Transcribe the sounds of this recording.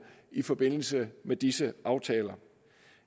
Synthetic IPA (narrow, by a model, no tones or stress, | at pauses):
ifɒ̽b̥e̝n̰l̩səmed̥isəʔɑ̈ʊt͡sʰɛːlɐ